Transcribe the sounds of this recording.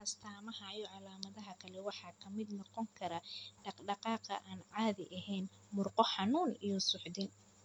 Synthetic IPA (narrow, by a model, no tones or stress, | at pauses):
ʔɐst̪ʰaːmɐhɐjɔʕɑlaːmɐðɐɦɐkʰɐlɛwɑħɑkʰɐmɪd̪nɔqɔŋkʰɐɾɐɖɑqɖɑqɑːqɐ̰ʔaːnʕɑːðɪʔɐɦɛjn | mʊrqɔħɑnuːnijɔsʊħd̪ɪn